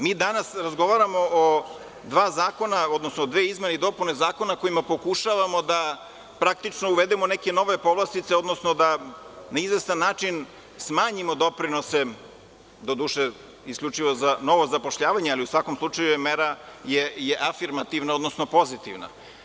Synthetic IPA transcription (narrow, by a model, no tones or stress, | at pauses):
miːd̪anasɾazɡo̞ʋaɾamo̞ː | d̪ʋaːzaːko̞nao̞d̪nosnod̪ʋe̞izmeneid̪o̞punezaːko̞nako̞imapo̞kuʃaʋamo̞d̪a | pɾak̚t̪it͡ʃnouʋed̪emonekeno̞ʋe̞po̞ʋlˠast̪it̪seo̞d̪nosnod̪anaizʋe̞st̪anːaːt͡ʂin | smaːɲimo̞d̪o̞pɾino̞se | d̪o̞d̪uːʃe | iskʎʲut͡ʂiʋo̞zano̞ʋozapo̞ʃʎaːʋaɲealiusʋako̞mslˠut͡ʂajujemeɾajejeʔafiɾmat̪iʋnaod̪no̞snopo̞zit̪iʋna̰